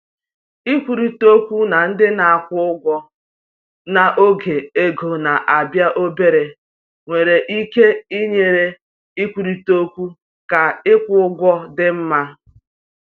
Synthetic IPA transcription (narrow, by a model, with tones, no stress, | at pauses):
i˦kʷu˨ɾi˨to˦kʷu˦na˨n̩˦dɪ˦na˨a˨kʷʊ˦ʊ˦ɡʷɔ˦ | na˨ʔo˦ɡe˨e˦ɡo˨na˨ʔa˨bja˦ʔo˦be˦ɾe˨ | ŋʷe˨ɾe˨ʔi˦ke˦i˦ɲe˨ɾe˦ | i˦kʷu˨ɾi˨to˦kʷu˦ | ka˨ɪ˦kʷʊ˦ʊ˦ɡʷɔ˦dɪ˦m̩˦ma˦